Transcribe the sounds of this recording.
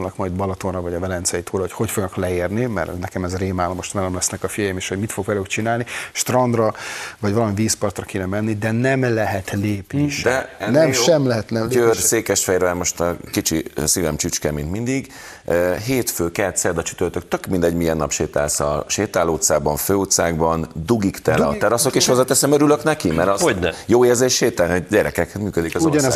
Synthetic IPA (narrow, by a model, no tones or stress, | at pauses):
lnɒkmɒjd̪bɒlɒt̪onrɒvɒɟɒvɛlɛnt̪siɒjit̪ʰuːɾɒɦo̞chocfo̞ɡnɒklɛeːrnimɛrnɛkɛmɛzreːmaːlomo̞ʃt̪vɛlɛmlɛsnɛkɒfijɒjimeːʃho̞ɟmit̪fo̞ɡʋɛlyːkt͡ʃinaːlniʃt̪rɒnd̪rɒvɒɟvɒlɒmiviːspɒrt̪rɒkeːnɛmɛnːid̪ɛnɛmlɛɦɛt̪leːpniʃd̪ɛnɛmʃɛmlɛɦɛt̪nɛmørseːkɛʃfɛjɾvɛlmo̞ʃt̪kit͡ʃisivɛmt͡ʃyt͡ʃkɛmint̪mind̪iɡ | øɦeːt̪føːkɛt̪sɛd̪ɒt͡ʃy̥t̪ørt̪øk̚t̪økmind̪ɛɟmiɛnːɒ̰pʃeːt̪a̰ːlsɒʃeːt̪aːloːt̪saːbɒɱføːut̪saːɡbɒnd̪uɡikt̪ɛlɒ̰t̪ɛɾɒsokeːʃhozɒt̪ɛsɛmøɾyløknɛkimɛɾɒjoːeːrzeːʃʃeːt̪aɟɛɾɛkɛkmyːkød̪ikɒzoɒnɛz